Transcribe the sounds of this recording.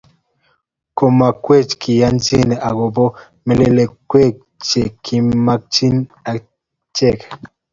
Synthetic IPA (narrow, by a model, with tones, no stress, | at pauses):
ko˨ma˨kwe˦˨t͡ʃkʰi˨ja˦nd͡ʒi˦˨ne˨ʔa˨ɡo˨bɔ˦ | mɛ˨le˨le˨kwe˦˨k̚ | t͡ʃe˨kʰi˨ma˦k̚t͡ʃi˦na˨ | t͡ʃɛ˦˨k